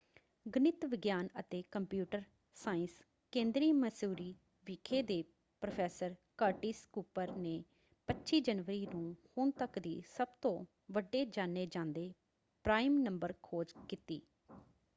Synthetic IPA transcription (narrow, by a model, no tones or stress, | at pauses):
ɡənɪt̪ʋɪɡjaːnət̪eːkəmpjuːʈəɾ | saːɪ̃ns | kẽːnd̪ɾiːməsuːɾiː | ʋɪkʰeːd̪eː | pɾopʰɛːsəɾkəːɾʈiːskuːpəɾneː | pətːʃiːd͡ʒənʋəɾiːnũːhʊɳt̪əkd̪iːsəbt̪õː | ʋəɖːeːd͡ʒaːneːd͡ʒãːnd̪eː | pɾaːimnəmbəɾkʰoːd͡ʒkiːt̪ḭː